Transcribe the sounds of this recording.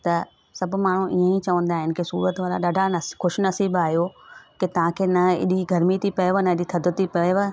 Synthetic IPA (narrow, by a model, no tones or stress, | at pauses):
t̪ɐ | sɐbmaːɳ̤ũʔḭə̃ĩt͡ɕɐʋə̃nd̪aːɦɪnɪ̆kesṵːɾət̪ʋaːɾa̰ɗaːɖʱanɐxʊʃnɐsiːbaːɦijokɪt̪ɐʋ̤ãkʰeːnɐɪ̰ɗiɡʱɐɾmit̪ʰipɐjʋənɐɪɗit̪ʰɐd̪ət̪ipɐjʋə